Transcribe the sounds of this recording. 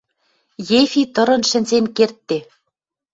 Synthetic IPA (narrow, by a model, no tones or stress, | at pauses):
jefʲit̪ɤ̆ɾɤ̆nʃɘ̆nʲzenkert̪ːe